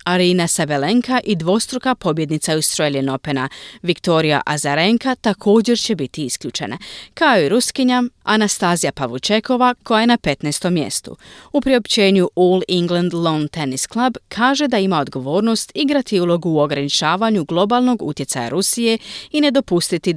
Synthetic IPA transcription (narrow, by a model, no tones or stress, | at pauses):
aɾiːnasabeleŋkʰaʔid̪ʋo̞st̪ɾukapo̞bje̞d̪nit̪saust̪ɾoelijeno̞pe̞naʋikt̪o̞ɾija̰ʔazaɾe̞ŋkat̪akʰo̞ːd͡ʑe̞ɾt͡ɕe̞bit̪iiskʎʲuːt͡ʃe̞̰nʔa̰kaoiɾuskiɲamanast̪aːzijapaʋut͡ʃe̞kʰo̞ʋakʰo̞jajenape̞t̪neːst̪o̞mːje̞̰st̪ṵupɾio̞pt͡ɕe̞ːɲuʔoːliŋɡlˠand̪lont̪enisklˠabkʰaːʒe̞d̪aimao̞d̪ɡo̞ʋo̞ːɾno̞st̪iɡɾat̪iulo̞ɡuːo̞ɡɾanit͡ʃaːʋaɲuɡlˠo̞balˠno̞ɡṵt̪je̞t̪saja̰ɾusije̞ine̞d̪o̞pust̪it̪i